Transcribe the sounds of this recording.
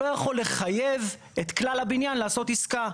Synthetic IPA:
ojaχo̞lːe̞χajev | et̪klalabinjanlaːso̞tiska

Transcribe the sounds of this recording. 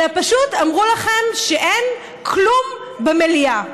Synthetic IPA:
apaʃutamʁulaχe̞mʃeʔen | kʰlum | bemelia

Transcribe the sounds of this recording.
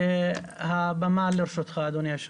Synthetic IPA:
habamaːlːiɾʃut̪xaːd̪unjaʃ

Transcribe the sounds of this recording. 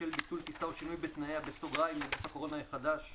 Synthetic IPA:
elbit̪ult̪isaoʃinujbet̪naeabesoɡʁajmedefhako̞ʁo̞najeχad̪aʃ

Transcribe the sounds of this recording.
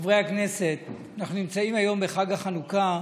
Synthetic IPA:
vʁejakne̞se̞t̪ | anaχnunimt͡saimajo̞mbeχaɡaχanuka

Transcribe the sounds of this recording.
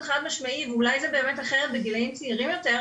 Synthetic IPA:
χad̪maʃmaiveulajzebe̞ːmet̪aχeʁet̪̚beɡilejimt͡siiʁimjo̞t̪e

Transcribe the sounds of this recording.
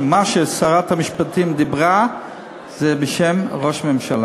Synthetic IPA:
maʃesaʁat̪hamiʃpat̪imd̪ibʁa | zebeʃemʁo̞ʃmemʃala

